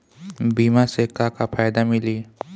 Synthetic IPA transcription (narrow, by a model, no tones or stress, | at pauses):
biːmasekakapʰaːjd̪amɪliː